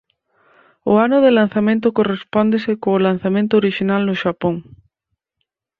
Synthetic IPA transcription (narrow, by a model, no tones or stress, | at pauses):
ʊanʊðɪlan̟θamẽnt̪̬ʊkorespɔnd̪esɪkoːlan̟θamẽnt̪ʊoɾiʃinalnʊʃapoŋ